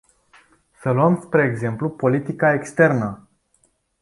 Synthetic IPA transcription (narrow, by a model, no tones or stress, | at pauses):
səluəmspɾe̞ːɡze̞mplupo̞lit̪ikae̞kst̪e̞rnə